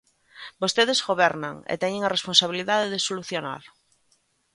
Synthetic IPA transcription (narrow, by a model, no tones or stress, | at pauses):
bost̪eðezɣoβɛɾna̰ŋḛt̪ɛɲeŋɐresponsaβ̞iliðaðeðesoluθjona̰l